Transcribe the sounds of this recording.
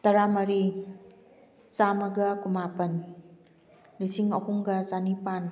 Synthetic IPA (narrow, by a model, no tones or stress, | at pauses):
tɐɾamɐɾi | samɐɡɐkumapɐn | lisiŋɐhuŋɡɐzanipan